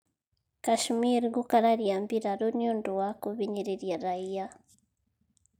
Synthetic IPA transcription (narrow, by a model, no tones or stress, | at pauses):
kaʃmiɾɡukaɾaɾjaːmbiɾaɾoniondowakuβiɲiɾeɾjaɾaija